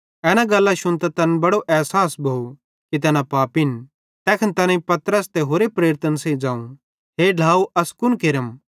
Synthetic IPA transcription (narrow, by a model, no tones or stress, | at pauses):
ɛːnãɡɐlːaʃʊnt̪ɐt̪ɐnbɐɽoʔɛːsaːsbʱou | kit̪̬ɛːnãpaːpɪn | t̪ɛːkʰənt̪ɐnẽĩpɐt̪əɾəst̪eɦoːɾepɾeːɾɪt̪ənsẽid͡ʒãːũ | ɦeɖʱaːuʔɐskʊnkeɾəm